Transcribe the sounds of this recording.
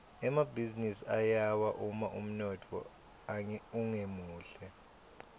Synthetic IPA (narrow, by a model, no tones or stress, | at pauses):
ɛmabʱizinisiajawaʔumaʔum̩nɔtʰɔ̰ | uŋemuːɬɛ